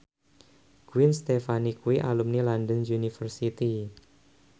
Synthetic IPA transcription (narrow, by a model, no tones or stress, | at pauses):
ɡ̥uwinst̪efanikuwiʔalumnilandənjunifərsit̪i